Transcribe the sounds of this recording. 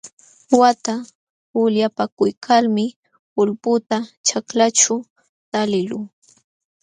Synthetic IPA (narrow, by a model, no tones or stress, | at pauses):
wat̪a | ʊljapakʊjkʰalmɪ | ʊlpʊt̪at͡ʃaklat͡ʃʊ | t̪alɪlʊŋ